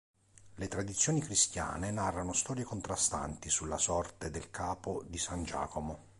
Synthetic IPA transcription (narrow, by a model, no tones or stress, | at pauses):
let̪ɾad̪it̪sːjoːnikɾist̪ja̰ːnenarːanost̪ɔːɾjekont̪ɾast̪a̰nt̪isulːa̰sɔrt̪ed̪elkʰaːpod̪isand͡ʒa̰ːkomo